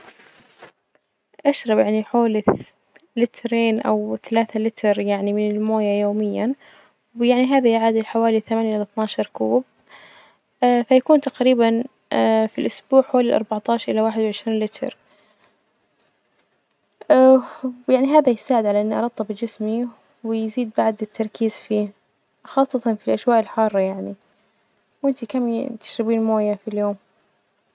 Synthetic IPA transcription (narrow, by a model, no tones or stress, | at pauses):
ʔaʃɾˤɑbjaʕniħoːl | lɪt̪ɾeːnʔa̰wθalaːθalɪt̪ɾjaʕnimɪnɪlmoːjajoːmɪjːa | wjaʕniɦaːðajʕaːd̪ɪlħawaːliθamaːnjʔɪlθnaːʃɑɾˤkuːb̚ | fajakuːnt̪aqɾiːban | filʔʊsbuːʕħoːlɪlʔɑ̰ɾˤbaʕt̪ˤɑːʃɑɾˤʔɪlawaːħɪd̪wʕɪʃɾiːnlɪt̪ʰɾ | jaʕniɦaːðajɪsaːʕɪd̪ʕalaʔɪnːiʔɑɾˤɑt̪ˤːɑbd͡ʒɪsmi | wɪjziːd̪̚baʕd̪ɪt̪ʰːɑɾˤkiːz̥fiː | xɑːsˤːɑt̪ɑnfilʔaʃwaːʔɪlħɑːrˤːɑjaʕni | wʔɪnt̪ikamːt̪ɪ̥ʃɾɪbiːnmoːjafiljoːm